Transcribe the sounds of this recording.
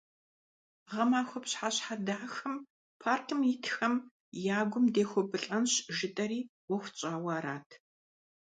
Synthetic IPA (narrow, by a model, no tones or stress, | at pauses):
ʁɐmaːxʷɔpɕħaɕħadaːxɐm | pʰaːrkʰɨmjɪtʰxɐm | jaːɡʷʊmdeːxʷɔbɨɬʼɐnɕʒɪtʼɐɾiː | wɔxʷt͡ʃʼaːwaːɾaːtʰ